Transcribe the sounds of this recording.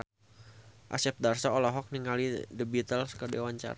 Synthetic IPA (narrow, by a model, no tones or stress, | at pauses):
ʔa̰sɛp̚d̪arsaɔlɔɦɔk̚niŋalidəbit̪əlskədewaɲt͡ʃa̰ɾa